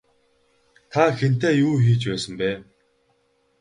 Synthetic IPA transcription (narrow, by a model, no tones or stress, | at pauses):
t̪ʰaxen̥t̪eːjuːxiːt͡ɕpæːsə̆mpæː